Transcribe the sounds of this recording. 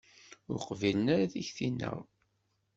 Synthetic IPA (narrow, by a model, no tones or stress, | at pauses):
ʊɾqvilənaɾaðiçθinːə̰ʁ